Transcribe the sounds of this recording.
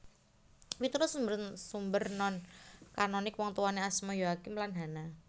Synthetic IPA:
wit̪uɾʊsumbərsumbərnɔnkanɔnɪkwɔŋt̪uwaniasmɔjoakɪmlanɦana

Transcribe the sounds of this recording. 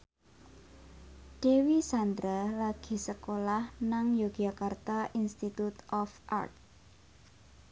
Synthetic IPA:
d̥ewisand̪ɾalaɡ̥i̤səkolahnaŋjoɡ̥akart̪aʔinst̪it̪ut̪ɔfʔa̰rt̪̚

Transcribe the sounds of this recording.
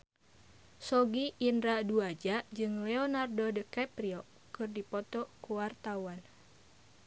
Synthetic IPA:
sɔɡiʔːnɾaduad͡ʒad͡ʒɨŋlɛonardodəkapɾiɔ | kɨrdipɔt̪ɔkuwart̪awan

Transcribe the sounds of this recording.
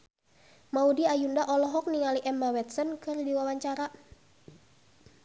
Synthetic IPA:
maudiajundaʔɔlɔɦɔk̚niŋaliʔɛmawɛt̪sɔnkɨrdiwawaɲt͡ʃaɾa

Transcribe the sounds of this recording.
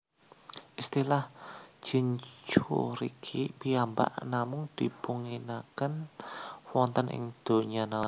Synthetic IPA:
ʔist̪ilahʒ̥iɲt͡ʃuɾikʰipiamba̰ʔnamʊŋd̪̥i̤puŋinakən | wɔnt̪ənʔɪ̰ŋd̪̥o̤ɲana

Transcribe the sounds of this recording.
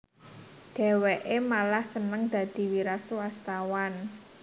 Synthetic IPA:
ɖ̪̥e̤weʔemalahsənəŋd̪̥ä̤d̪̥i̤wiɾaswast̪awan

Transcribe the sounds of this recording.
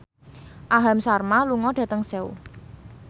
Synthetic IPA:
ʔaɦamsarmaluŋɔɖ̥ä̤t̪əŋseṵ

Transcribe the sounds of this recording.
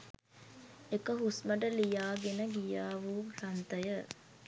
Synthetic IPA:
ekəɦusməʈəlijaːɡenəɡijaːʋurant̪əjə

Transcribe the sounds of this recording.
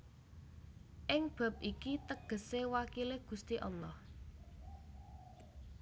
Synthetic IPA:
ʔɪŋb̥a̤p̚ʔikit̪əɡ̥ə̤sewakileɡ̥ṳst̪iʔɔlɔh

